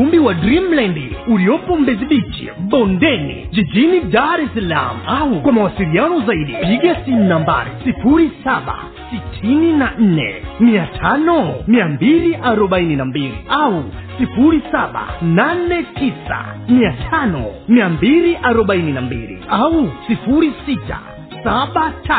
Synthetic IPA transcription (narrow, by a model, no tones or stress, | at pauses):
umbiwadɾimlɛndḭuliɔpɔm̩bɛziɓit͡ʃḭɓɔndɛnḭd͡ʒid͡ʒinidaɾɛsala̰muaukwamawasilianɔzaiɗipiɠasinnamba̰ɾḭsifuɾisaɓa̰ | sitʰininan̩nɛ̰miatʰanɔmiambiliʔaɾɔɓaininambilḭʔausifuɾisaɓa̰nanɛtʰisa̰miatʰanɔ̰miambiliʔaɾɔɓaininambḭlḭausifuɾisita̰ | saɓatʰa